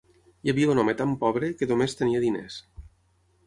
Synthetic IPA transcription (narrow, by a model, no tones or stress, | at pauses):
jaβiaunɔmet̪ampɔβɾekəðomest̪əniəðinḛs